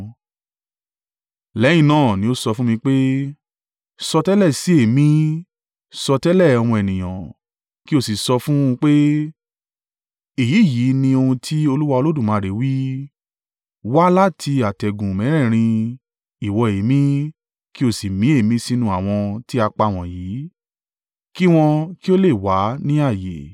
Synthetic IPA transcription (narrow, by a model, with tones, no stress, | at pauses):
lɛ̃˨˦ĩ˦˨nãː˦˨nĩ˧˦o˦sɔ˧fũ˦mĩ˧k͡pe˦ | sɔ˧tɛ˦lɛ˦˨si˨˦e˦˨mĩ˦ | sɔ˧tɛ˦lɛ˦˨ɔ˧w̃ɔ̃˧ɛ˨nĩ˨j̃ã˨ | ki˦o˦˨si˨sɔ˧fũ˦˧k͡pe˦ | e˨ji˨˦˨ji˨˦nĩ˧o˧hũ˧tʰi˦o˧lu˦wa˧o˧lo˦dũ˦˨mã˨˦˨ɾe˨˦wi˦ | wa˦la˦tʰi˧a˨tɛ˨ɡũ˨mɛ̃˨˦ɾ̃ɛ̃˦˨ɾ̃ĩ˧ | i˨wɔ˧e˨˦mĩ˦ | ki˦o˦˨si˨mĩ˨˦e˦˨mĩ˦si˦nũ˧˦a˨w̃ɔ̃˧ti˦a˧k͡pa˧˨w̃ɔ̃˨jiː˨˦ | ki˦w̃ɔ̃˧ki˦o˦le˦˨wa˨˦nĩ˦a˦˨jḛ˨